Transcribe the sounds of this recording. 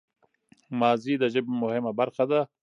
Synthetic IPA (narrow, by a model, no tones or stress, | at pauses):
mɑːzid̪əʒɪbmʊhɪmabaɾxad̪a